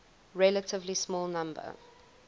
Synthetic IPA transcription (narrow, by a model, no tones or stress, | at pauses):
ɹɛlətʰɪvlismɔːlˠnãmbə̰